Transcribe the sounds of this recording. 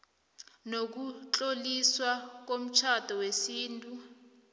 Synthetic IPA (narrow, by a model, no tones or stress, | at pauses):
nok̬ut͡ɬʼoliswak̬om̩t͡ʃʰad̥ʱɔwesiːntʼu